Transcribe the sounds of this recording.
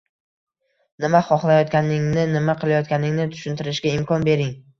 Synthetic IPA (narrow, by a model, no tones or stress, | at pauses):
nɪmaχɒχlˠajɒt̪̚kʲanɪŋnɪnɪmaqʰɨlˠajɒt̪̚kʲanɪŋnɪt̪ʰʊ̥ʃɪnt̪ʰɪɾɪʃɡʲaɪmkʰɒnbe̞ɾɪŋ